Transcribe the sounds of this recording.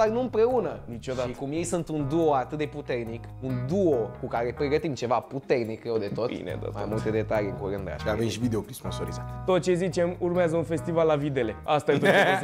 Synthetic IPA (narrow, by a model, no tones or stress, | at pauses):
d̪arnuɨmpɾe̞unənit͡ʃod̪at̪kumje̞jsunt̪und̪uoat̪ɨt̪̚d̪eput̪e̞rnikund̪uokukaɾe̞pɾe̞ɡət̪imt͡ʃe̞vaput̪e̞rnikewd̪e̞t̪o̞t̪ḭnḛd̪o̰ma̰jmult̪e̞d̪e̞t̪aliɨŋkuɾɨnd̪a̰ʃavemʃivid̪eopɾisponso̞ɾizat̪t̪o̞t̪̚t͡ʃe̞zit͡ʃe̞murmeazəunfe̞st̪ivalːavid̪e̞le̞ast̪aet̪o